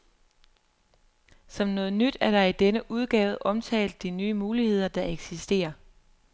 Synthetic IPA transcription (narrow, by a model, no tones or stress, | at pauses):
sɒ̽mnɔ̽ːð̩ˠnyd̥æɐɾ̥ɑ̈id̥enəʔuð̞ˠɡ̥ɛ̰ːʊð̩ˠʔɒ̽mt͡sʰɛ̰ːld̥ːinyːəmuːlihe̝ð̞̰ˠɐd̥ɑ̈eɡ̥sisd̥e̝̰ːɐ